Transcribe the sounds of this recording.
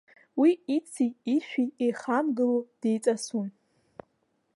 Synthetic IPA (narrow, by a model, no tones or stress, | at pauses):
wiit͡sʰiːʃᶣiejχamɡɨlod̥ejt͡sʼasun